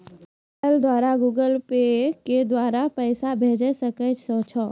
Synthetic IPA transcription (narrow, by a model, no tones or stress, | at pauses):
əld̪waːɾaɡuːɡəlpeked̪waːɾapɛɪsabʱeːd͡ʒesəkət͡ʃsɔ̃ːt͡ʃʰɔː